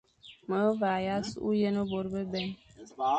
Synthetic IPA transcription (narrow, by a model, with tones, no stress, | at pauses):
mə˨˦va˨ja˦su˦ṵ˦jə˦nə˦bo˨ɾbə˦bɛ˦˨n